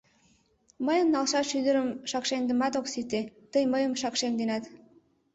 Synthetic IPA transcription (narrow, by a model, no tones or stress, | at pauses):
məjə̆nnɑlʃɑt̪ʃyd̪əɾəmʃɑkʃend̪ə̆mɑt̪oksit̪ːet̪əjməjə̆mʃɑkʃend̪enɑt̪